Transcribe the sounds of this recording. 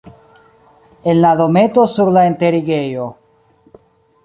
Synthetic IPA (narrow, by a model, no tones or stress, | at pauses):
elːaðomet̪osuɾlaent̪eɾiɣejo